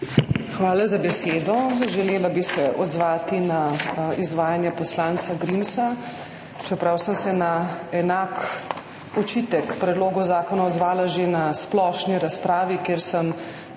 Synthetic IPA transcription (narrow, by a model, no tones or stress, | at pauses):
xʋaːlazabɛseːd̪ɔʒɛleːlabisɛʔɔd̪zʋaːt̪inaizʋaːjanjapɔslaːnt̪saɡɾimsa | t͡ʃɛpɾawsəmsɛnaɛnaːk | ɔt͡ʃiːt̪ɛkpɾɛd̪loːɡɔzaːkɔnaɔd̪zʋaːlaʒenasplɔʃniɾaspɾaːʋikeːɾsəm